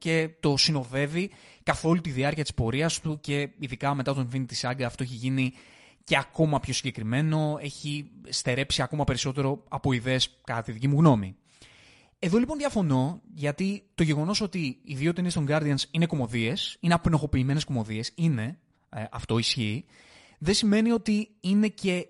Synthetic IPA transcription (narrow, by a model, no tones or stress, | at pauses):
ce̞t̪o̞sino̞ðe̞vikɐθo̞lut̪iðiɐɾciɐt̪i̥spo̞ɾiɐst̪uce̞iðikɐme̞t̪ɐt̪onfinit̪isɐɡɐːft̪o̞eçiʝini | ce̞ɐko̞mɐpçosiɲɟe̞kɾime̞no̞e̞çist̪e̞ɾe̞psiɐko̞mɐpe̞ɾiso̞t̪e̞ɾo̞ɐpo̞iðe̞ːskɐt̪ɐt̪iðicimuɣno̞mḭ | e̞ðo̞lipo̞nðʝɐfo̞no̞ʝɐt̪it̪o̞ʝe̞ɣo̞no̞so̞t̪iiðiot̪inist̪o̞ŋɡɐɾd̪iɐnsine̞ko̞mo̞ðie̞sineɐpno̞xo̞piːme̞ne̞sko̞mo̞ðie̞sine̞ | ɐ̰ft̪o̞isçiː | ðesime̞nio̞t̪iine̞ce̞